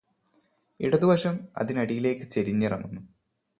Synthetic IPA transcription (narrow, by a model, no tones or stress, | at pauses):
ḭɽɐðuʋɐʂɐmɐ̰ðinɐɽijile̞ːkːɨt͡ɕeɾiɲːɐrɐ̰munːu